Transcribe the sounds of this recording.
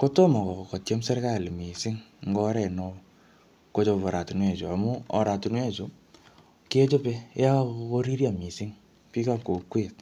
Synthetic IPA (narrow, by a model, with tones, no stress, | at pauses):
ko˦to˦mɔ˨kɔ˨kɔ˨kɔ˨tjɛ˦msɛ˦ɾka˦˨li˨mi˨sɪ˦ŋŋɡɔ˦ɾɛ˨nɔ˦ | ko˦t͡ʃo˦˨βɔ˨ɾa˨tu˨nwe˨t͡ʃo˨a˨mu˦ɔ̰˨ɾa˨tu˨nwe˦˨t͡ʃo˨ | ki˦e˦t͡ʃo˦pe˦ja˦ko˦ɾi˦ɾja˨mi˨si˦ŋ | pi˦ka˦ko˨kwe˦˨t̚